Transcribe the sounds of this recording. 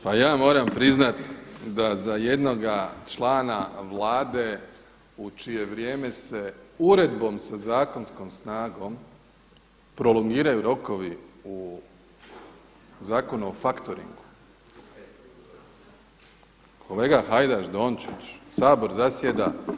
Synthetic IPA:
pajaːmo̞ːɾampɾiznat̪d̪azajed̪no̞ɡat͡ʃlaːnaʋlaːd̪e̞ | ut͡ʃije̞ʋɾje̞ːme̞se̞uɾe̞d̪bo̞msazaːko̞nsko̞msnaːɡo̞m | pɾo̞loŋɡiːɾajuɾo̞ko̞ʋiu | zaːko̞nuofakt̪oɾḭŋɡu | kʰo̞le̞ːɡaxajd̪aʒd̪o̞ːnt͡ʃit͡ʃsaːbo̞ɾzasjed̪a̰

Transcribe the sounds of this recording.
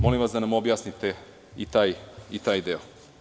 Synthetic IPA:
mo̞limʋasd̪anamobjaːsnit̪e | it̪aːjit̪aːjd̪eo

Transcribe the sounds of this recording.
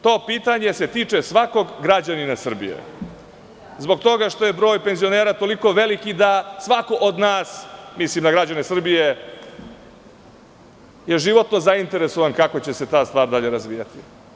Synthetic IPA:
t̪o̞ːpiːt̪aɲe̞se̞t̪iːt͡ʂesʋako̞ɡɡɾad͡ʑaninasr̩bḭjḛ | zbo̞ɡt̪o̞ɡaʂt̪o̞je̞bɾo̞ːjpe̞nzio̞neːɾat̪o̞liko̞ʋe̞likid̪asʋako̞ʔod̪naːsmislimd̪aɡɾad͡ʑanesr̩bije | je̞ʒiʋo̞t̪no̞zaint̪e̞ɾeso̞ʋankako̞t͡ɕe̞set̪aːst̪ʋaːɾd̪aʎe̞ɾazʋiːjat̪i

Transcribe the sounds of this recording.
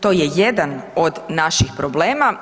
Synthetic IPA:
t̪o̞ːjejed̪anod̪naʃixpɾobleːma

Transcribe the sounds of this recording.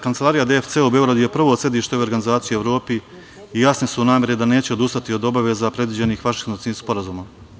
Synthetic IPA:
kant̪elˠaːɾijad̪eft̪seube̞oɡɾad̪uje̞pr̩ʋo̞ːt̪sjed̪iːʃt̪euoɾɡanizaːt̪sijieʋɾo̞ːpi | ijasnisunaːmʲe̞ɾid̪ane̞ːt͡ɕeo̞d̪ust̪at̪io̞d̪o̞baʋe̞zapɾe̞d̪ʋid͡ʑe̞nixʋaʃinosiixspo̞ɾazuːma

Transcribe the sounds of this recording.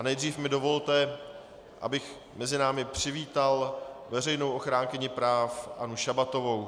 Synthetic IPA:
anɛjd̪riːfmɪdo̞vo̞lt̪ɛ | ʔa̰bɪx | mɛzɪnaːmɪpr̝̥ɪviːt̪alvɛrɛjnowʔoxɾaːŋkɪɲɪpɾaːfʔanuʃabat̪o̞vo̞w

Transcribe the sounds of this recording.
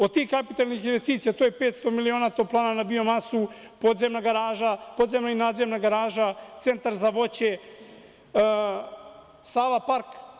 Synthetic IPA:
od̪̚t̪iːxkapit̪alnixinʋe̞st̪iːt̪sijat̪oːjepeːt̪st̪o̞milio̞ːnat̪oplˠaːnanabio̞masu | po̞d̪zemnaɡaɾaːʒapo̞d̪ze̞mnainaːd̪zemnaɡaɾaːʒat̪se̞nt̪aɾzaʋo̞t͡ɕe | saːlapaɾk

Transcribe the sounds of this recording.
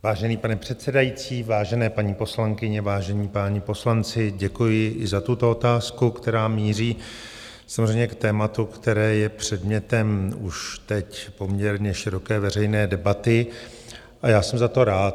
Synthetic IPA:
vaːʒɛniːpanɛpr̝̥ɛt̪sɛdajit͡siːvaːʒɛnɛːpaɲiːpo̞slaŋkɪɲɛvaːʒɛniːpaːɲɪpo̞slant͡sɪɟɛkujɪʔɪzat̪ut̪o̞o̞t̪aːskukt̪ɛɾaːmiːr̝iː | samozrɛjmɲɛkt̪ɛːmat̪ukt̪ɛɾɛːjɛpr̝̥ɛdmɲɛt̪ɛmuʃt̪ɛcpo̞mɲɛɾɲɛʃɪɾo̞kɛːvɛrɛjnɛːdɛbat̪ɪ | ʔajaːsɛmzat̪o̞ɾaːt̪

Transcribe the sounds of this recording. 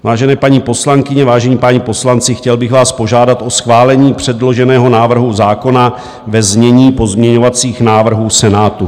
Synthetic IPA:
vaːʒɛnɛːpaɲiːpo̞slaŋkɪɲɛvaːʒɛɲiːpaɲipo̞slant͡sɪxcɛlbɪɣvaːspo̞ʒaːdat̪ʔo̞sxvaːlɛɲiːpr̝̥ɛdlo̞ʒɛnɛːɦo̞naːvr̩ɦuzaːko̞na | vɛzmɲɛɲiːpo̞zmɲɛɲo̞vat͡siːxnaːvr̩ɦuːsɛnaːt̪u

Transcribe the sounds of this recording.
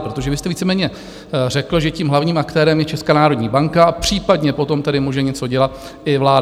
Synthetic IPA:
pɾo̞t̪o̞ʒɛvɪst̪ɛviːt͡sɛmɛːɲɛ | r̝ɛkl̩ʒɛciːmɦlavɲiːmakt̪ɛːɾɛmjɛt͡ʃɛskanaːɾodɲiːbaŋkaapr̝̥iːpadɲɛpo̞t̪o̞mt̪ɛdɪmuːʒɛɲɛt͡so̞ɟɛlat̪̚ | ʔɪvlaː

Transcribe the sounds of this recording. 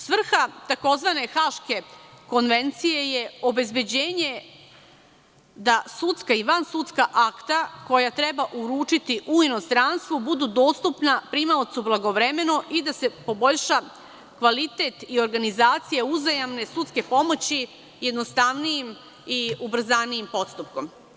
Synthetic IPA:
sʋr̩xat̪ako̞zʋane̞xaʃke̞ko̞nʋe̞nt̪sije̞jeo̞be̞zbe̞d͡ʑeːɲe̞ | d̪asut̪skaiʋansut̪skaʔakt̪ako̞jat̪ɾe̞baʔuɾuːt͡ʂit̪iʔuino̞st̪ɾanst̪ʋubud̪ud̪o̞ːst̪upnapɾimaot̪sublˠaɡo̞ʋɾeme̞noʔid̪ase̞po̞bo̞ʎʃa | kʋalit̪et̪io̞ɾɡanizaːt̪sijeuzajamne̞sut̪ske̞po̞mo̞t͡ɕi | je̞d̪nost̪aʋnijim | iubɾ̩zanijimpo̞t̪st̪up̚ko̞m

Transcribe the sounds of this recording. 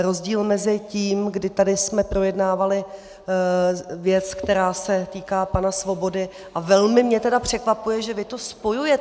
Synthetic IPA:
ɾo̞zɟiːlmɛzɪciːmɡdɪt̪adɪsmɛpɾo̞jɛdnaːvalɪ | vjɛt͡skt̪ɛɾaːsɛt̪iːkaːpanasvo̞bo̞dɪ | ʔavɛlmɪmɲɛt̪ɛdapr̝̥ɛkvapujɛʒɛvɪt̪o̞spo̞jujɛ

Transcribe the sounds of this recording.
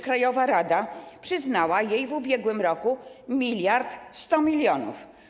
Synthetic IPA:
kɾajɔvaɾad̪apʂɘznawajejvubʲjɛɡwɘmɾɔkumʲilʲjaɾt̪st̪ɔmʲilʲjɔnṵf

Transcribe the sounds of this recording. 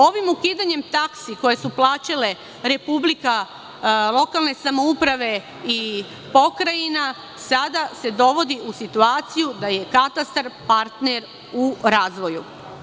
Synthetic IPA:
o̞ʋimukiːd̪aɲe̞mt̪aksiko̞je̞suplˠaːt͡ʃale̞ | ɾe̞publika | lˠo̞kalˠne̞samoupɾaʋe̞ | i | po̞kɾajina | sad̪ase̞d̪o̞ʋo̞d̪iʔusit̪uaːt̪sijud̪aje̞kat̪ast̪aɾpaɾt̪neɾ | uɾaːzʋo̞ju

